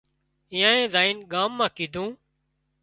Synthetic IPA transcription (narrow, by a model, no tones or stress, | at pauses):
ɪ̃ːjãːẽːzaːiːnɠaːmːãːkiːd̪ʱũː